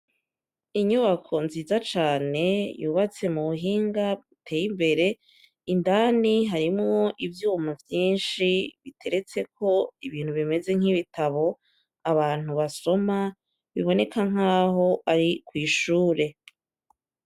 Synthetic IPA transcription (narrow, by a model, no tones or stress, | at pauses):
iɲuβakʰo̞nziːzat͡ʃaːne̞juːβat͡se̞muβuɦiːŋɡaβutʰe̞ːjimbe̞ɾe̞ | indaniɦaɾimŋo̞ʔivjuːmavjiːnʃiβitʰe̞ɾe̞t͡se̞k̚ʰo̞iβiːn̥huβime̞ze̞ŋ̥iβitʰaβo̞ | aβaːn̥uβaso̞ma | βiβo̞ne̞kaŋ̥aːɦo̞ʔaɾikwiːʃuːɾe̞